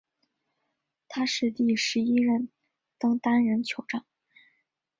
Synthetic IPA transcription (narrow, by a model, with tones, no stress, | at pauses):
t̪ʰa˥ʂɻ̩˥˧t̪i˥˩ʂɻ̩˧˥i˥ɻə˥˩n | t̪ɤ˥ŋt̪a˥nɻə˧˥nt͡ɕʰjo˧˥ʊʈ͡ʂɑ˥˩ŋ